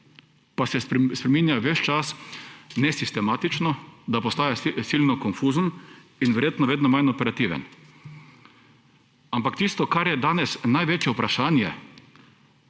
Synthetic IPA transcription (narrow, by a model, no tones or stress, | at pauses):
pasɛspɾɛmiːnjaʋɛt͡ʃt͡ʃasnɛsist̪ɛmaːt̪it͡ʃnɔd̪apɔst̪aːjasiːlnɔkɔnfuːzən | inʋɛɾjeːt̪nɔʋeːd̪nɔmajnɔpɛɾat̪iːʋɛ̰n | ampakt̪iːst̪ɔkaɾjɛd̪aːnɛsnajʋeːt͡ʃjɛupɾaʃaːnjɛ